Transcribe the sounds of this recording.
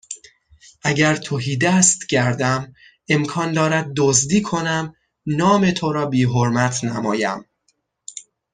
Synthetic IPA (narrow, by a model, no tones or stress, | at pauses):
ʔæɟæɾt̪ʰoɦiːd̪æst̪ɟæɾd̪æm | e̞mkʰɒːnd̪ɒːɾæd̪̚ːozd̪iːkʰo̞næm | nɒːme̞t̪ʰoɾɒːbiːɦoɾmæt̪ʰnæmɒːjæ̰m